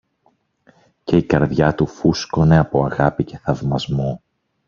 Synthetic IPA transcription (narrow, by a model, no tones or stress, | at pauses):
ce̞ikɐɾðʝɐt̪ufusko̞ne̞ɐpo̞ɐɣɐpice̞θɐvmɐzmo